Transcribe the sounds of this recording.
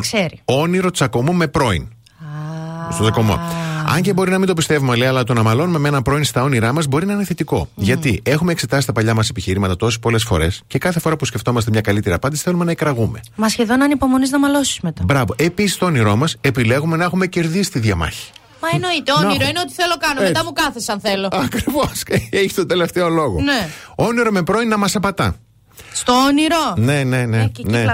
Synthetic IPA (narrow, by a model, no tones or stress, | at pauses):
kseɾioniɾo̞t͡sɐko̞mome̞pɾo̞ḭn | st̪ot͡sɐkomo̰ɐ̰ɲɟebo̞ɾinɐmind̪opist̪e̞vumeoleɐlɐt̪o̞nɐmɐlo̞nume̞menɐmpɾo̞inst̪ɐo̞niɾɐmɐzbo̞ɾinɐineθe̞t̪iko̞̰ʝɐt̪ie̞xumekse̞t̪ɐsi̥t̪ɐpɐʎɐmɐse̞piçiɾimɐt̪ɐt̪o̞si̥po̞le̞sfo̞̰ɾe̞sce̞kɐθefo̞ɾɐpusce̞ft̪o̞mɐst̪e̞mɲɐkɐlit̪e̞ɾiɐpɐnd̪isi̥θe̞lume̞nɐekɾɐɣume̞̰mɐsçe̞ðo̞nɐnipo̞mo̞niznɐmɐlo̞si̥smet̪ɐbɾɐvo̞ʔe̞pisist̪o̞oniɾo̞mɐse̞pile̞ɣume̞nɐe̞xume̞ce̞ɾðisi̥t̪iðʝɐmɐ̰çi̥ | mɐeno̞it̪eooinɾoineo̞t̪i̥θelokɐnomet̪ɐmukɐθesɐnθelo̞ɐkɾivoseçi̥st̪od̪e̞le̞ft̪e̞o̞lo̞ɣoneo̞niɾo̞me̞pɾo̞inːɐmɐsɐpɐt̪ɐ | st̪ooniɾone̞ne̞nene